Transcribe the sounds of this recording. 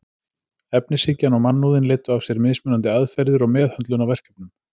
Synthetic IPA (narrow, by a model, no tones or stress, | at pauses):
ɛpnɪsɪcːanɔɣmanːuːðɪnlɪːt̪ʏavsjɛɾmɪðsmʏːnant̪ɪaðfɛɾðʏɾɔɣmɛːðhœnt̪lʏnawvɛr̥kɛp̚nʏm